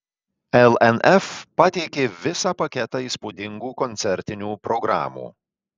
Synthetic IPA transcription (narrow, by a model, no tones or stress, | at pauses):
ɛlˠɛnɛfpɐt̪ʲɛɪkʲeːʋʲɪsɑːpɐkʲɛt̪ɑːiːspuːd̪ʲɪŋɡuːkɔnʲt̪sʲɛɾʲt̪ʲɪnʲuːpɾɔɡɾa̰ːmṵː